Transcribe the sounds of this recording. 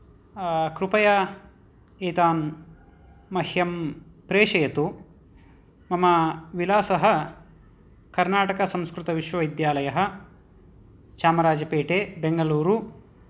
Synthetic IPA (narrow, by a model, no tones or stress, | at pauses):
kɾupɐjɐ | eːt̪aːn | mɐhjɐmpɾeːʂɐjɐt̪u | mɐmɐʋilaːsɐɦɐ̆ | kɐɾnaːʈɐkɐsɐ̃mskɾut̪ɐʋiʃʋɐʋɐjd̪jaːlɐjɐɦɐ̆ | t͡ʃaːmɐɾaːd͡ʒɐpeːʈeːbeŋɡɐluːɾu